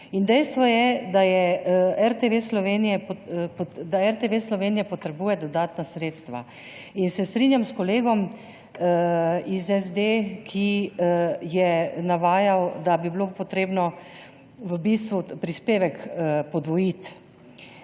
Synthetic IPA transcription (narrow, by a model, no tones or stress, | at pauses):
ind̪ɛjst̪ʋɔjɛd̪ajɛɛɾt̪eʋeslɔʋeːnijɛpd̪aɛɾt̪eʋeslɔʋeːnijɛpɔt̪ɾɛbuːjɛd̪ɔd̪aːt̪nasɾeːt̪st̪ʋa̰ | insɛst̪ɾinjamskɔleːɡɔm | izɛzd̪ekʰi | jɛnaʋaːjawd̪abibilopɔt̪ɾeːbnɔ | ʋəbist̪ʋupɾispeːʋɛkpɔd̪ʋɔjit̪